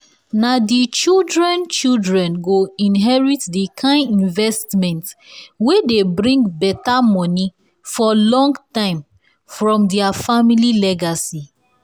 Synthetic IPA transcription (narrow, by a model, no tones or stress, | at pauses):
nadit͡ʃildɹɛ̃nt͡ʃildɹɛ̃nɡoĩnɦɛɹitdikʰãɪ̃nĩnvɛstmɛ̃ntwedebɹĩŋɡbɛtamɔ̃ni | fɔlɔ̃ŋɡtãɪ̃m | fɹɔ̃mdɛafamililɛɡasi